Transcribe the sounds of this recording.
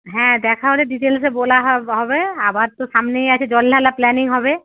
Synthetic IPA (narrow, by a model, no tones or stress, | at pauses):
ɦɛ̃d̪ɛːkʰaɦoleɖiʈeːls̬eboːlaɦɦɔbeabaɾt̪osaːmneiaɛt͡ʃʰed͡ʒɔlːalaplɛnɪŋɡɦɔbe